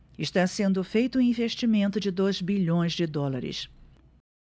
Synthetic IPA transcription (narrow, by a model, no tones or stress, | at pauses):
ɪʃt̪asẽnd̪ʊfejt̪ʊũĩveʃt͡ʃimẽnt̪ʊd͡ʒɪd̪ojzbiʎõj̃zd͡ʒɪd̪ɔlaɾɪ̰s